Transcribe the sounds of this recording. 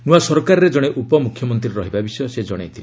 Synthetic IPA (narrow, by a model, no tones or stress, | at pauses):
nuasɔɾkaɾɔɾed͡ʒɔɽ̃eʔupɔmukʰjɔmɔnt̪ɾiɾɾɔɦibabisɔjɔsed͡ʒɔɽ̃ajt̪ʰil